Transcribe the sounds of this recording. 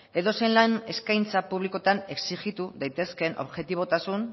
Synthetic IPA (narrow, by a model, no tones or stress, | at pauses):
e̞ðo̞se̞jnlane̞skajnt͡sapuβ̞liko̞t̪ane̞ksiʝit̪uðajt̪e̞ske̞nʔo̞βʝe̞t̪iβ̞o̞t̪asun